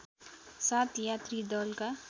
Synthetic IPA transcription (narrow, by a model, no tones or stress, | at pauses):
saːt̪jat̪ɾid̪ɔlka